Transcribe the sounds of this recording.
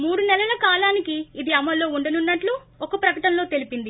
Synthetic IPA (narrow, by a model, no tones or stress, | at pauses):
muːɽunɛlɐlɐkaːlaːnikiːd̪iɐmɐlo̞ːuɳɖɐnunːɐʈlu | ɔkɐpɾɐkɐʈɐnlo̞ːt̪e̞lipind̪i